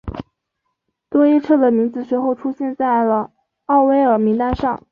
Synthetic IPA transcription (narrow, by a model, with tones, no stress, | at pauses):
t̪wɔ˥i˥ʈ͡ʂʰɤ˥˩d̪ə˩mi˧˥ŋt͡sɹ̩˧˩ʂwe˧˥ɪxo˥˩ʊʈ͡ʂʰu˥ɕjɛ˥˧nt͡sa˥˩ɪlə˩ | ɑ˥˩ʊwe˥ɪə˞˨˩mi˧˥ŋt̪a˥nʂɑ˥˩ŋ